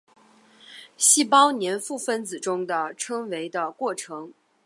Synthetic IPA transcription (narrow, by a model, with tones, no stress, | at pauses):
ɕi˥˩pɑ˥ʊnjɛ˧˥nfu˥˩fə˥nt͡sɹ̩˨˩ʈ͡ʂʊ˥ŋd̪ə˨ʈ͡ʂʰɤ˥ŋwe˧˥ɪd̪ə˧kwɔ˥˩ʈ͡ʂʰɤ˧˥ŋ